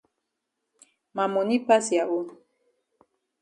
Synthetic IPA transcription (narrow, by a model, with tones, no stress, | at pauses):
ma˨mo˨ni˦pa˦si˨a˨ʔo˦